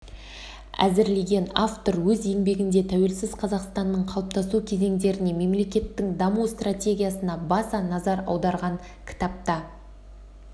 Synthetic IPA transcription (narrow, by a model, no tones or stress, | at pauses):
æ̰zɪɾle̞ɡʲe̞naft̪o̞ɾwɵze̞mbe̞ɡʲɪnd̪e̞t̪ʰæwe̞lsɪzqʰɑzɑqst̪ɑnːəɴqʰɑlˠp̚t̪ɑsukʲʰe̞ze̞ŋd̪e̞ɾɪne̞me̞mle̞kʲe̞t̪ːɪŋd̪ɑmust̪ratʲe̞ɡʲijasənɑbɑsɑnɑzɑɾɑ̰wd̪ɑɾʁɑŋ | kʲʰɪ̥t̪ɑp̚t̪ɑ